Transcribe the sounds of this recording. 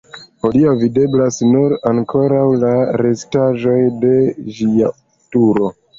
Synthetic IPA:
oliavide̞blasnuɾaŋkʰo̞ɾawlaɾe̞staʒo̞jde̞ʒia | tuɾo̞

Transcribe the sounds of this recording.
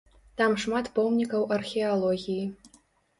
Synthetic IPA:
t̪amʂmat̪pɔmnʲikɐwɐrxʲɛalˠɔɣʲiji

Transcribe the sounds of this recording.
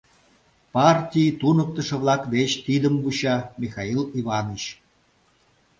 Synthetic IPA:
pɑrtʲijt̪unək̚t̪ə̆ʃĕβlɑkd̪et͡ɕt̪id̪əmbuɕɑmʲixɑiliβɑnit͡ɕ

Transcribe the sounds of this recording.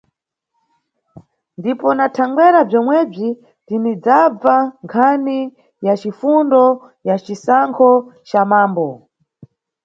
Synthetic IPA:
ndipɔnatʰaŋɡwɛɾab͡ʐɔmwɛb͡ʐi | tinid͡zab͡vaŋkʰani | jat͡ʃifundɔ | jat͡ʃisaŋkʰɔt͡ʃamaːmbɔ

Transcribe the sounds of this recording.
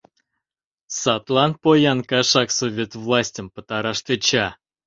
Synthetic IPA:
sat̪lˠanpojankaʂaksovʲet̪vlˠasʲtʲəmpət̪aɾaʂt̪ɨt͡ɕa

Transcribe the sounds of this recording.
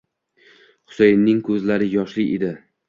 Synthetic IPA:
χʊ̥sejnːɪŋkʰɵzlaɾɪjɒʃlɪʔed̪ɪ

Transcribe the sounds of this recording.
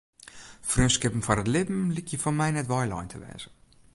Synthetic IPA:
frøskɪpən̩fɔnətlɪbm̩likʰjəfɔnmɛjnɛtʋɔjlɔ̰jntʰəʋɛ̰ːz̥ə

